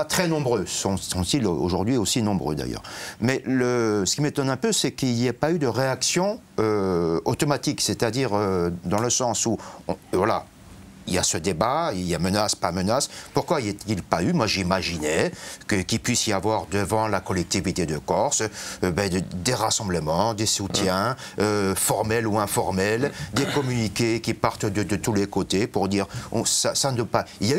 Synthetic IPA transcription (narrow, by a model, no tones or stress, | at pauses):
at̪χɛnɔ̃bʁøsɔ̃sɔ̃t̪ilo̰ʒuʁd̪ɥiosinɔ̃bʁø̰d̪a̰jœ̰ːʁmɛləsə̥kʲimet̪ɔnɛ̃pøsɛkiljapayd̪əʁeaksjɔ̃ | øot̪ɔmat̪ikset̪ad̪iʁød̪ɑ̃ləsɑ̃suɔ̃vwala̰ | ilja̰səd̪ebailjamənaspamənaspuʁkwailet̪t̪ilpaymwaʒimaʒinɛkəkʲipɥisjavwaʁd̪əvɑ̃lakɔlɛk̚t̪ivit̪ed̪əkɔʁsbɛd̪eʁasɑ̃bləmɑ̃d̪esut̪jɛ̃ | øfɔʁmɛluɛ̃fɔʁmɛld̪ekɔmynikʲekʲipaʁt̪d̪əd̪ət̪ulekot̪epuʁd̪iːʁɔ̰̃sasanɔpailjay